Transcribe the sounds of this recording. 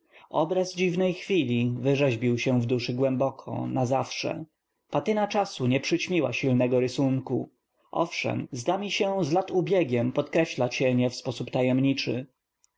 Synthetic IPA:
ɔbɾazd͡ʑivnɛjxfʲilʲivɘʐɛʑbʲiwɕɛ̃vd̪uʂɘɡwɛmbɔkʰɔ̰nazafʂɛ̰ | pat̪ɘnat͡ʂasuɲɛpʂɘt͡ɕmʲiwa̰ɕilnɛɡɔɾɘsuŋku | ʔɔ̰fʂɛ̰mzd̪amʲiɕɛzlat̪ubʲjɛɡʲɛmpɔt̪kɾɛɕlat͡ɕɛɲɛfspɔsupt̪ajɛmɲit͡ʂɘ̰

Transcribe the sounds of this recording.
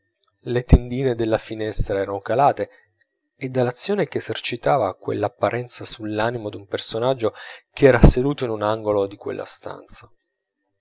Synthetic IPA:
let̪end̪iːned̪elːafinɛst̪ɾaɛːɾanokalaːt̪eː | d̪ːalːat̪sːjoːnekeːzert͡ʃit̪aːvakwḛlːapːaɾʔɛnt̪sasulːaːnimod̪umpersonad͡ʒːokeɛːɾased̪uːt̪oinunaŋɡolod̪ikwḛlːa̰st̪a̰nt̪sa

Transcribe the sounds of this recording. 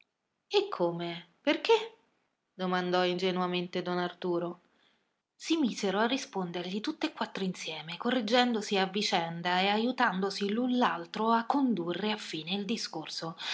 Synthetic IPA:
ekʰːoːmeperke | d̪omand̪ɔind͡ʒenuament̪ed̪ɔnart̪uːɾo | simiːzeɾoarːispond̪erʎit̪ut̪ːekːwat̪ːɾoinsjɛːmekorːid͡ʒːɛnd̪osiavːit͡ʃɛnd̪aeajut̪and̪osilunlalt̪ɾoakːond̪urːeafːiːneild̪iskorso

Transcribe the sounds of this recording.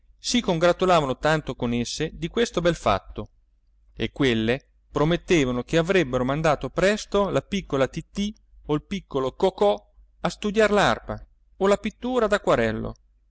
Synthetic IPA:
sikoŋɡɾat̪ulaːvanot̪ant̪okonesːed̪ikwest̪obɛlfa̰t̪ːo | ḛkːwelːe | pɾomet̪ːeːvanok̟eavɾɛbːeɾomand̪aːt̪opɾɛst̪olapikːolat̪it̪ːi | oilpikːolokokɔ | ast̪ud̪jarlarpa | olapit̪ːuːɾad̪akwaɾɛlːo̰

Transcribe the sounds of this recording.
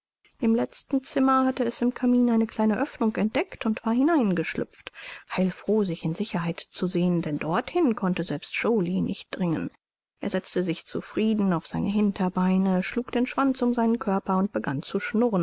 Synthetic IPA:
ʔɪmlɛt͡stn̩t͡sɪmɐhatəɛsɪmkʰamiːnaɪnəkʰl̥aɪnəʔœfnʊŋkɛnt̚d̥ɛktʊntv̥aːɐhɪnaɪnɡəʃlʏ̰pp͡fthaɪlfʁ̥oːzɪçɪnzɪçɐhaɪtt͡suzeːəndɛndɔɐthɪnkʰɔntəzɛlpstʃoːlinʔɪ̰çt̚d̥ʁɪŋə̰̃n | ʔḛːɐzɛt͡stəzɪçt͡sṵfʁ̥iːdn̩aʊfz̥aɪnəɦɪntʰɐbaɪnəʃluːkd̥eːnʃv̥ant͡sʊmzaɪnənkʰœɐpɐʊnt̚b̥əɡant͡suʃnʊʁən

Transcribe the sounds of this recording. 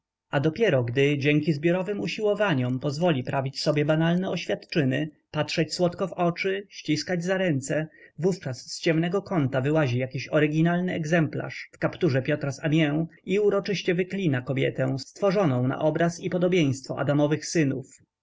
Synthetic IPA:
ad̪ɔpʲjɛɾɔɡd̪ɘd͡ʑɛŋkʲizbʲjɔɾɔvɘmuɕiwɔvaɲɔmpɔzvɔlʲipɾavʲit͡ɕsɔbʲjɛbanalnɛɔɕfʲjat̪t͡ʂɘnɘ | pat̪ʂɛt͡ɕswɔt̪kɔvɔt͡ʂɘɕt͡ɕiskad͡ʑzaɾɛnt̪sɛvuft͡ʂasːt͡ɕɛmnɛɡɔkɔnt̪avɘwaʑijakʲiɕɔɾɘɡʲinalnɘɛɡzɛmpla̰ʂfkapt̪uʐɛpʲjɔt̪ɾasamʲjɛwiuɾɔt͡ʂɘɕt͡ɕɛvɘklʲinakɔbʲjɛt̪ɛ̃sst̪fɔʐɔnɔ̃w̃na̰ʔɔbɾasipɔd̪ɔbʲjej̃st̪fɔ̰ʔa̰d̪amɔvɘxsɘnṵf

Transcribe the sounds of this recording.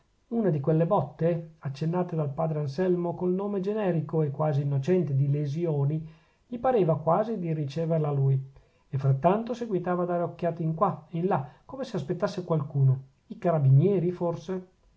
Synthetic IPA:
unad̪ikwelːebɔt̪ːeat͡ʃːenːaːt̪ed̪alpaːd̪ɾeansɛlmokolnoːmed͡ʒenɛːɾikoekwaːziːnːot͡ʃɛnt̪ed̪ilezjoːni | ʎipaɾeːvakwaːzid̪irit͡ʃɛːverlaluːj | efːɾat̪ːant̪oseɡwit̪aːvaːd̪aːɾeokːjaːt̪iŋkwainlakːomeseaspet̪ːasːekwalkuːno | ikaɾabinjɛːɾiforse

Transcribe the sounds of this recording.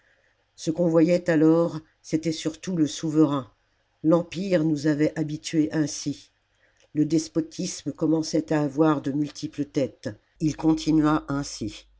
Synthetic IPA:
səkɔ̃vwajɛt̪alɔʁ | set̪ɛsyʁt̪uləsuvəʁɛ̃ | lɑ̃piʁnuzavɛʔabit̪ɥeʔɛ̃si | ləd̪ɛspɔt̪ʰismkɔmɑ̃sɛt̪aːvwaʁd̪əmylt̪ʰiplət̪ɛt̪ | ilkɔ̃t̪ʰinɥaʔɛ̃si

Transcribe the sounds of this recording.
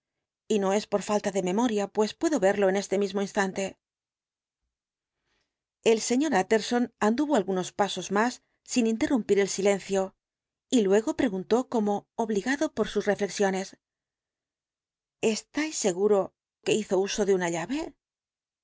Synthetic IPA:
ino̞e̞spo̞ɾfalt̪aðe̞me̞mo̞ɾjapwe̞spwe̞ðo̞βe̞ɾloene̞st̪e̞mizmoinst̪ant̪e̞ | e̞lse̞ɲo̞ɾat̪e̞ɾso̞nand̪uβo̞alɣuno̞spaso̞zmasː | inint̪e̞rumpiɾe̞lsile̞nθjo̞ | ilwe̞ɣo̞pɾe̞ɣunt̪o̞ko̞mo̞ːβliɣaðo̞po̞ɾsusre̞fle̞ksjo̞ne̞s | e̞st̪ajsːe̞ɣuɾo̞ | ke̞iθo̞uso̞ðeunaʎaβe̞

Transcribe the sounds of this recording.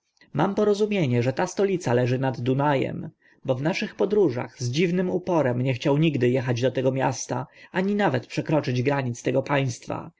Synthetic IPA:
mampɔɾɔzumʲjeɲɛʐɛt̪ast̪ɔlʲit̪salɛʐɘnad̪ːunajɛ̰m | bɔvnaʂɘxpɔd̪ɾuʐa̰ɣzd͡ʑivnɘmupɔɾɛmɲɛxt͡ɕawɲiɡd̪ɘjɛxad͡ʑd̪ɔt̪ɛɡɔmʲja̰st̪a̰aɲinavɛt̪pʂɛkɾɔt͡ʂɘd͡ʑɡɾaɲit̪st̪ɛɡɔpaj̃st̪fa̰

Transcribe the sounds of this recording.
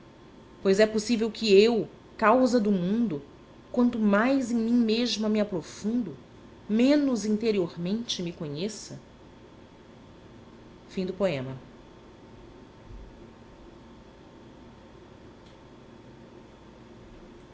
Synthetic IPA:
pojzɛposivewkɪew | kawzɐd̪ʊmũnd̪ʊ | kwɐ̃nt̪ʊmajzẽj̃mĩɲmeʒmɐmɪapɾofũnd̪ʊ | mẽnʊzĩnt̪eɾioɾmẽnt͡ʃɪmɪkõɲesɐ | fĩd̪ʊpoẽmɐ

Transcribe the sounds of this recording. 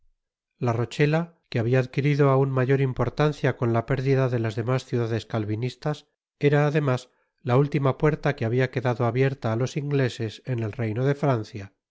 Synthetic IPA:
laro̞t͡ʃe̞la | keaβiaːðkiɾiðoaunmaʝo̞ɾimpo̞ɾt̪anθjako̞nlape̞ɾðiðaðe̞lazðe̞masθjuðaðe̞skalβinist̪as | e̞ɾaːðe̞mas | lault̪imapwe̞ɾt̪akeaβiake̞ðaðo̞aβje̞ɾt̪aːlo̞siŋɡle̞se̞sene̞lre̞jno̞ðe̞fɾan̟θja

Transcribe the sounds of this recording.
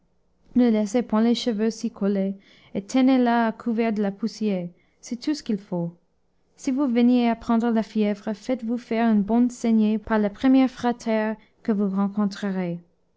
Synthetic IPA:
nəlɛsepwɛ̃leʃəvøsikʰole | et̪ʰɛnelaːkʰuvɛʁd̪əlapusjeʁ | sɛt̪ʰusə̥kilfo | sivuvənjeapχɑ̃d̪ʁəlafjɛvʁəfɛt̪vufɛʁynbɔ̃nsɛnjepaʁlapχəmjɛʁfʁat̪ʰɛʁ | kəvuʁɑ̃kɔ̃t̪χəʁe

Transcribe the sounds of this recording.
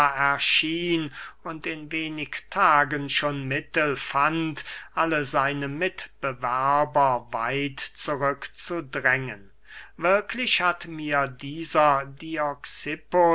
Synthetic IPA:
ɛɐʃiːnʊntɪnveːnɪktʰaːɡənʃoːnmɪtəlfantʔaləzaɪnəmɪtb̥əvæɐbɐva̰ɪtt͡suʁʏkt͡sudʁɛŋən | vɪɐkʰlɪʃhatmiːɐdiːzɐdiɔksɪpo

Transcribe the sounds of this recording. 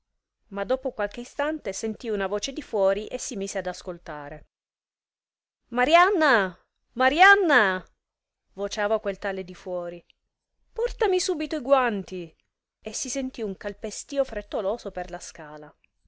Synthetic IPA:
mad̪ːoːpokwalk̟eist̪ant̪esent̪iunavoːt͡ʃed̪ifwɔːɾiʔesːimiːzead̪askolt̪aːɾe | maɾjanːa | maɾjanːa | vot͡ʃaːvakwelt̪aled̪ifwɔːɾi | pɔrt̪amisuːbit̪oiɡwant̪i | esisent̪iuŋkalpest̪iːofɾet̪ːoloːzoperlaskaːla

